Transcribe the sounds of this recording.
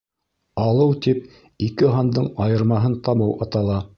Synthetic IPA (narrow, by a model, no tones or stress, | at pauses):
ɑlˠɤwt̪ip̚ | ikɘɦɑnd̪ɤɴɑjɤ̆ɾmɑɦɤnt̪ɑmɤwɑt̪ɑlˠɑ